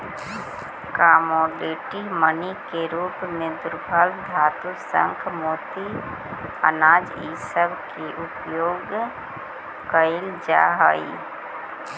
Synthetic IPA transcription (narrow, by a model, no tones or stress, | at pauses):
kamoːɖiʈimənikeɾuːpmẽd̪ʊɾbʱəld̪ʱaːt̪usə̰̃ŋkʰmoːt̪i | ə̰naːd͡ʒ | ḭsəbkeʔʊpjoːɡ | kəɪld͡ʒa̰ːɦaːḭ